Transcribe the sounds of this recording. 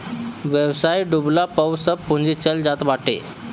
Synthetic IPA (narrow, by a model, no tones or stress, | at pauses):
ʋjəwsajiɖublapəwsəpːuɲd͡ʑit͡ɕəld͡zat̪ʋaʈḛ